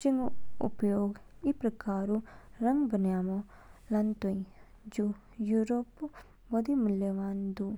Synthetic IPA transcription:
t͡ʃiŋɡʊ̰pjoːɡipɾɐkaːɾuɾɐŋɡbɐnjaːmo | lɐnt̪oĩ | d͡ʒu | juɾop | ʋɐd̪imʊljəʋaːnd̪u

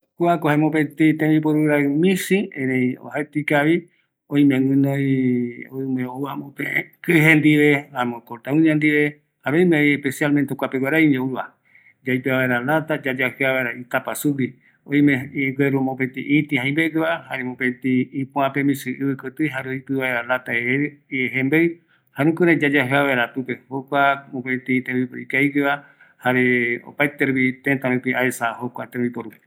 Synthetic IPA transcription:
kwakohamõp̬et̪it̪ẽbip̬oɾuɾaɨmĩsiẽɾẽio̰haet̪ikaβi | oj̃mẽŋɡɨ̃nõ | omeowamõpekɨɦend̪iβeamõkoɾt̪aũɲãnd̪iβe | haɾejmejespesialmẽnt̪eokʷapeɡwaɾaiɲoɾua | d͡ʒajpeaβaeɾalat̪ad͡ʒad͡ʒaheaβaeɾait̪apasuki | õj̃mẽɡeɾumopet̪ĩʔit̪ihaj̃mbeɡeβahaɾemõpẽt̪iːpũãpemĩsɨʔβɨkot̪ɨɦaɾeoipɨβaeɾalat̪aeeeɦembej | haɾũkɨɾãd͡ʒad͡ʒaɦɨaβaeɾat̪upehokʷamõpet̪it̪ẽbipikaiɡeβa | haɾeo̰paet̪eɾβit̪ẽt̪ãɾĩpiʔaesahokʷat̪ẽɾbipoɾu

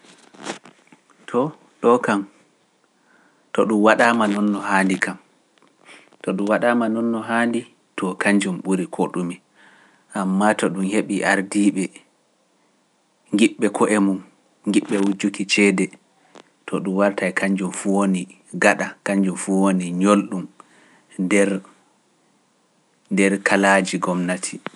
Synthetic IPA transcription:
tʰɔ | ɗɔkam | tɔɗumwaɗaːmanɔnːɔhandikʰam | tɔɗumwaɗamanɔnːɔɦaːndi | tʰɔkʰaɲd͡ʒumɓuɾikʰoɗumi | ʔamːatɔɗumheɓiʔaɾdiːɓɛ | ŋɡiɓːɛkʰɔʔemum | ŋɡiɓːɛwud͡ʒukit͡ʃɛːdɛ | tʰɔɗumwaɾtajkʰaɲd͡ʒumfuwoni | ɡaɗakaɲd͡ʒumfuwoniɲolɗum | dɛɾ | ndɛɾkalad͡ʒiɡɔmnatʰi

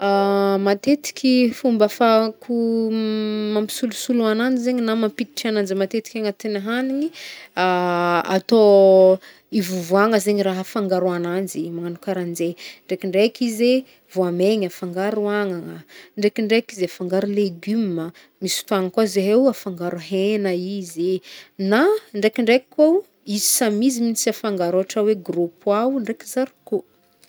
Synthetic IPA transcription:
amat̪et̪i̥kʲifumbafakʰu | mampi̥sulusuluanand͡ʒizeɲinamampit̪i̥ʈ͡ʂanand͡zimat̪et̪i̥kʲaŋat̪enaɦaniɲiaa̰t̪o | ivuvuaŋəzeɲiɾaɦafaŋɡaɾuanand͡zimaŋanukaɾand͡zeɳɖ͡ʐekiɳɖ͡ʐekize | vuameɲafaŋɡaɾuaŋaŋəɳɖ͡ʐekiɳɖ͡ʐekizafaŋɡaɾuleɡymmə | misu̥t̪uaŋəkwazeɦewafaŋɡaɾuɦenəizinaɳɖ͡ʐekiɳɖ͡ʐekkːa | izisamiziminisiafaŋɡaɾaaʈ͡ʂaweɡɾupwaɳɖ͡ʐekizaɾiko

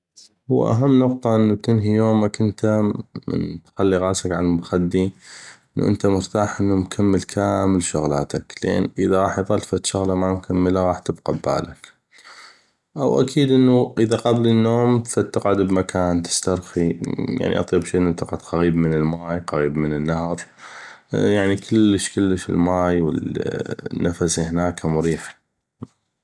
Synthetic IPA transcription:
hʊwa̰ʔa̰ɦamːnʊqt̪ˤɑʔənːub̚t̪ɪnɦijoːmakʔənt̪amɪ̰nt̪xalːiɣaːsakʕalalmʊxad̪ːiʔʔənːṵʔə̰nt̪amʊɾt̪aːħʔənːumkʰamːəlkʰaːmɪlʃʊɣla̰ːt̪aklʔḛːnʔəðaɣˤɑːħjðˤɑlfat̪ʃʊɣlamamkʰamːəlaɣɑːħt̪ɪbqɑbba̰ːlak | ʔawʔa̰kʰiːd̪ʔənːuʔəðaqablənːoːmfat̪ːaqʕʊd̪bmakʰaːnt̪ɪ̥st̪ɑɾˤxija̰ʕnḭʔɑ̰t̪ˤiːbʃiːʔənːt̪ɪqʕʊd̪qaɣiːbmənəlmaːjqaɣiːbmənənːahɾˤ | jaʕnikʰɪlːəʃkəlːəʃɪ̰lmaːjwə̰l | nːafasihnaːkamʊɾiːħa

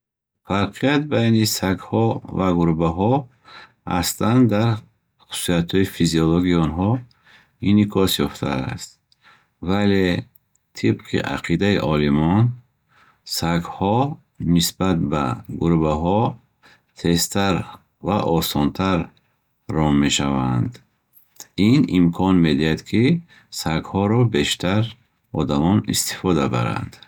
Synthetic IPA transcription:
faɾqʰijat̪̚bajnisaɡhɔvaɡuɾbaɦɔ | ha̰st̪and̪aɾ | χu̥su̥sijat̪hɔifiziɔloɡiɔnɦɔ | inikʰɔsjɔft̪ʰa̰a̰st̪ | vale | t̪ʰibqʰḭʔa̰qʰid̪aiʔɔlimɔn | saɡhɔ | nisbat̪̚ba̰ɡuɾbaɦɔ | t̪ʰe̞st̪ʰaɾ | vaʔɔsɔnt̪ʰaɾː | ɔmme̞ʃavand̪ | inimkʰɔnme̞d̪iad̪kʰi | saɡhɔɾɔbe̞ʃt̪ʰaɾ | ɔd̪amɔnist̪i̥fɔd̪aba̰ɾa̰nd̪̥

